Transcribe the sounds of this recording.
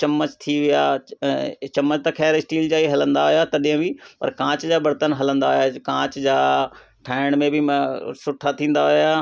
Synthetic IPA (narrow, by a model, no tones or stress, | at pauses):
t͡ɕɐmːət͡ʃt̪ʰiʋɪja | t͡ʃɐmːət͡ʃt̪ɐkʰɛːɾɪsʈiːld͡ʑaːiɦɐlə̃nd̪aɦojat̪ɐɗɪjə̃bipɐ̰ɾkãːt͡ɕd͡ʒaːbɐɾt̪ənɦɐlə̃nd̪aɦojakãːt͡ɕd͡ʑaː | ʈʰaːɪɽ̃mẽbʱɪmsʊʈʰat̪ʰĩːn̆d̪aɦojaː